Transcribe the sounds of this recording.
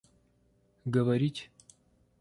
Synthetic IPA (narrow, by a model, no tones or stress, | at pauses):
ɡəvɐɾʲitʲ